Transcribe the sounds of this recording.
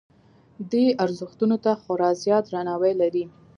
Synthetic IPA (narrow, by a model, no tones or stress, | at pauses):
d̪ijaɾzʊxt̪unot̪axʊɾɑzjɑd̪ɾanɑwəjlaɾi